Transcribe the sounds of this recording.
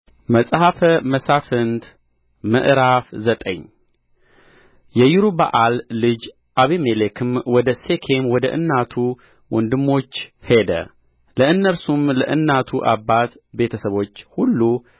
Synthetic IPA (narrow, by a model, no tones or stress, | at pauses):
məsʼhafəməsafɨnt̪ | mə̰ʔɾafzət̪ʼə̰ɲː | jɛjuɾuba̰ʔalːɨd͡ʒ | ʔaβemelekʰɨmwɔd̪əsekʰemwɔd̪əʔɨnːat̪ʰu | wʔɔnd̪ɨmːo̞t͡ʃːhe̞d̪ə̰ | ləɨnːəlsumlə̰ʔɨnːat̪ʰuʔabːat̪ | be̞t̪ʰəsəβo̞t͡ʃːhulːu